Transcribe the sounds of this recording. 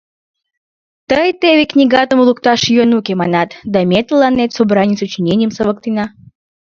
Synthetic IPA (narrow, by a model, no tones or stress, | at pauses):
t̪əjt̪eβʲeknʲiɡɑt̪əmulukt̪ɑʃjonukʲemɑnɑt̪d̪ɑmʲet̪lɑnːet̪sobɾɑnʲit͡ssut͡ɕinʲenʲijəmsəβəkt̪inɑ